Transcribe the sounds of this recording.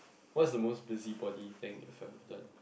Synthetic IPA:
wɔtsdəmosbɪzibɔdit̪ɪ̃ŋɛ̰fɛk̚tɔvdɛt̚

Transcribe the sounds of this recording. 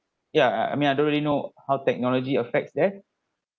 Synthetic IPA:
jaa̰jmĩnaɪdõnɹɛlinohawtɛk̚nɔlɔd͡ʒiəfɛk̚tsdɛ

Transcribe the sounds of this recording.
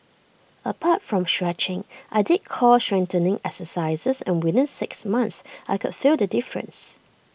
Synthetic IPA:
əpʰatfɹɔ̃mʃɹɛt͡ʃɪ̃ŋʔaɪdɪd̚kʰɔʃɹɛ̃ntənɪ̃ŋɛksəsaɪzəsɛ̰̃nwɪðɪ̃nsɪksmãnθsʔaɪkʊd̥fildədɪfɹə̰̃ns

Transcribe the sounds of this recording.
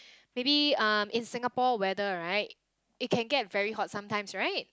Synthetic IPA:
mebiʌmʔɪ̃nsɪ̃ŋəpɔwɛdəɹaɪt̚ | ɪt̚kʰɛ̃nɡɛt̚vɛɹiɦɔt̚sãmtãɪj̃msɹaɪt̚

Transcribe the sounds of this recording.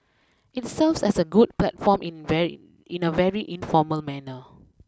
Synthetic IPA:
itsɛvsɛsəɡud̚plɛtfɔ̃m | ĩnəvɛɹiʔĩnfɔməlmɛnə

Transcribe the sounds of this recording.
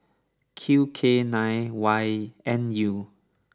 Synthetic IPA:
kʰjukʰenãjwajɛ̃nju

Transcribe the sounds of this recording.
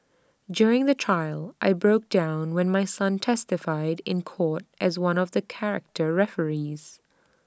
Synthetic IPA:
djʊɹɪ̃ŋðɨtʰɹ̥aɪlˠʔa̰ɪbɹoʊk̚d̥ãʊ̃nwɛ̃nmaɪsʌ̃ntʰɛstɨfaɪɾɪ̃nkʰɔɹɾʔɨzwʌ̃nʌvðɨkʰɛɹɨ̰k̚tʰə˞ɹɛfə˞iz̥

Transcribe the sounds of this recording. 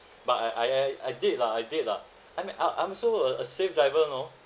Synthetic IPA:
bataɪʔajja̰jdilaaɪdila̰ | ajmĩnaʔã̰ɪ̃msoəəsefdɹaɪvəno

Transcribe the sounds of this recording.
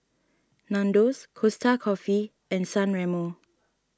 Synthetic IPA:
nãndoskʰostʰakʰɔfi | ɛ̃nsãnɹɛmo

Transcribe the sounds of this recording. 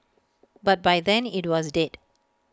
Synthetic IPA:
bat̚bajdɛ̃nitwɔsdɛd

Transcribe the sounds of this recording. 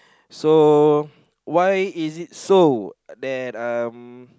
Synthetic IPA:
so | wajizit̚sodɛtʌm

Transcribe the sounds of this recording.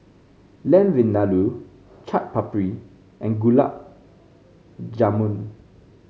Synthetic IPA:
lɛ̃nvĩndalu | t͡ʃʰat̚papɹi | ʔɛ̃nɡula̰p̚ | d͡ʒamũn

